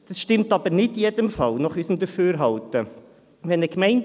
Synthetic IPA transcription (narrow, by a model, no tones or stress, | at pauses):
d̥ɑsʃtɪmtɑb̥əɾnɪdijɛdəmfɑlnɑχysəmd̪əføːɾɦɑltə | ʋɛnəkmɛɪn